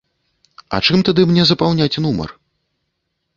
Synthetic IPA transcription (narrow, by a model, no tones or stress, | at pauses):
ɐ̰t͡ʂɨmt̪ad̪ɨmnʲɛzɐpawnʲat͡sʲnumɐ̰r